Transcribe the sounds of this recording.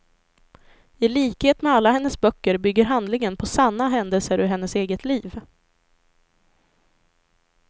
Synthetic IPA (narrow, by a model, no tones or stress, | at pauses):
ɪliːkheːt̪mɛalːaɦɛnːəsbœkːəɾbʏɡːəɾɦand̪lɪŋənpʰɔsanːaɦɛnd̪əlsəɾɵɾɦɛnːəseːɡət̪ʰliːv